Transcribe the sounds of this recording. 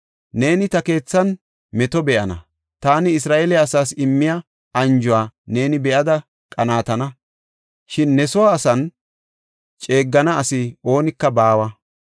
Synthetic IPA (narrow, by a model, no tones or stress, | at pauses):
ne̞ːnɪt̪ɐke̞ːt͡sːɐn | mɛt̪ɔbɛʔɐnɐ̰ | t̪aːnɪɪs̬ɾaːʔelɛɐsaːsɪmːɪjɐ | ɐnd͡ʒʊwaːne̞ːnɪbɛʔɐd̪ɐ | kʼɐnaːt̪ɐnɐ | ʃɪnːɛsɔwaːsɐn | t͡ʃʼe̞ːɡːɐnɐːsɪo̞ːnɪkːɐbaːwɐ